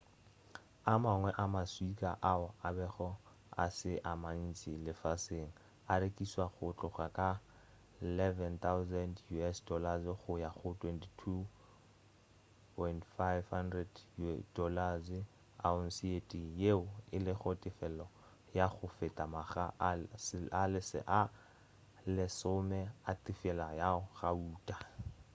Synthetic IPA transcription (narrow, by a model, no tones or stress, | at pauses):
amaŋwɛʔamaswikʼaʔaɔabɛχɔ | a̰sɪʔaman̩t͡sʼilɪfaseŋ̩ | aɾekʼiswaɣʊt͡ɬʼʊχakʼa | ɪlɛvɛnt̪ʰawzɛndjuɛsdɔlazχʊjaχʊtʰwɛntʰi̥tʰu | pʰɔjntfajvhandrɛdjudɔlazɪ | aʊn̩sietʼijeʊɪlɪχɔtʼɪfɛlɔ | jaχʊfɪtʼamaχa | alɪsɪ̰ʔa | lɪsʊmɛatɪfɛlajaχauːtʼḁ